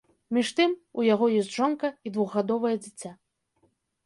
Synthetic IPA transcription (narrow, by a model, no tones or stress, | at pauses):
mʲiʂt̪ɨmujaɣɔjɔsʲt͡sʲʐɔnkɐid̪vuɣːad̪ɔvɐjɛd͡zʲit͡sʲːa